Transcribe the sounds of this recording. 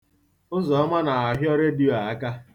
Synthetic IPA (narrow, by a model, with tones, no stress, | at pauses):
ʊ˦zɔ˨ɔ˦ma˦na˨a˨ɦjɔ˦ɾe˦di˦˨o˨a˨a˦ka˦